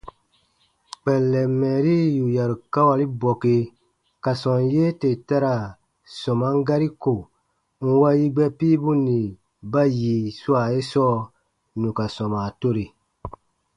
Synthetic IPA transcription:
k͡pɛ˨lːɛ˨mːɛ˨ɾi˦ju˨ja˨ɾu˨ka˦wa˨li˦bɔ˨ke˨ | ka˨sɔ̃˨nje˦te˨ta˦ɾa˨ | sɔ̃˨ma˦ŋ˦ɡa˦ɾi˦ko˨ | ŋ̩˦wa˦ji˦ɡ͡bɛ˦piː˦bu˦nĩ˨ | ba˦ji˨su˦a˨e˦sɔː˦ | nũ˨ka˨sɔ̃˨ma˨to˦ɾi˨

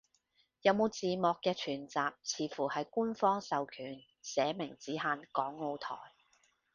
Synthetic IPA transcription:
jɐ˨˧wmo˨˧wt͡siː˨mɔː˨kːɛː˧t͡ʃʰyː˨˩nt͡saː˨p̚t͡sʰiː˨˧fuː˨˩hɐ˨jku˥nfɔː˥ŋsɐ˨wkʰyː˨˩n | sɛː˨˧˥mɪ˨˩ŋt͡siː˨˥ɦaː˧nkɔː˨˥ŋːo˧wt̪ʰɔ̰ː˨˩j

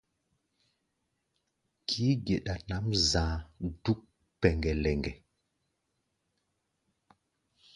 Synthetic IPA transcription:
kʰiː˨˦ɡe˨ɗa˨na˨˦mzãː˨du˦k̚ | pɛ˨ŋɡɛ˨lɛ˨ŋɡɛ˨

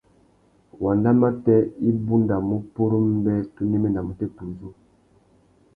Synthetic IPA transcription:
wa˨nda˦ma˦tɛ˦i˦bu˦nda˨mu˦pu˦ɾu˦m˦bɛ˦tu˦nɛ˦mɛ˦na˨mu˨tɛ˦pu˨zu˦

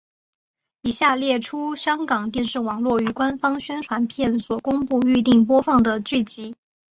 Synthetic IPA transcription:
i˨˩ɕja˥˧ljɛ˥˩ʈ͡ʂʰu˥ɕjɑ˥ŋkɑ˨˩ŋt̪jɛ˥˧nʂɻ̩˥˩wɑ˨˩ŋlwɔ˥˩y˨˩kwa˥nfɑ˥ŋɕɥɛ˥nʈ͡ʂʰwa˧˥npʰjɛ˥˩nswɔ˨˩kʊ˥ŋpu˥˧y˥˧t̪i˥˩ŋp̬wɔ˥fɑ˥˩ŋd̪ə˩t͡ɕy˥˩t͡ɕi˧˥

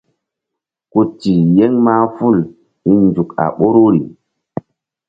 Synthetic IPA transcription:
ku˦ti˨je˦ŋma˦fu˦˨l | i˦nd͡ʒu˨ka̰˨ɓo˦ɾo˦ɾi˨

